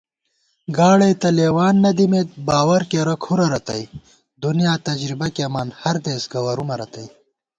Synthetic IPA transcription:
ɡaːɽeːt̪ɐleːwaːnːɐd̪imeːt̪̚baːwɐɾkeɾɐkʰuɾɐɾɐt̪ɐj | d̪unijaːt̪ɐd͡ʒɾibɐkeɐmaːnhɐɾd̪eːsɡɐwɐɾumɐɾɐt̪ɐj

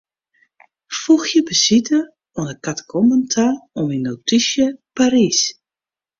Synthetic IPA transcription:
fuxjəbəsitə | ɔnəkatkʰɔməntʰaɔminːotisjəpaɾis

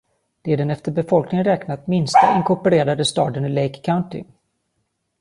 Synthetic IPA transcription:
d̪̥ɛːɖɛnɛft̪əɾbɛfɔlknɪŋənɾɛknat̪mɪnst̪aɪŋkʰʊpəɾeːɾad̪əst̪ɑːd̪ənɪlejkʰːaʊnt̪ɪ̰

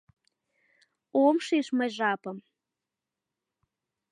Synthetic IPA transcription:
omʃiʃməjʒɑpəm

